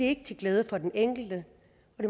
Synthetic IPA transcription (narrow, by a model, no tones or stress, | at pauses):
ee̝ɡ̥ət͡sʰe̝ɡ̥leːð̞ˠəfɒ̽d̥eneŋ̰ɡ̥l̩d̥ə | ɒ̽d̥e̝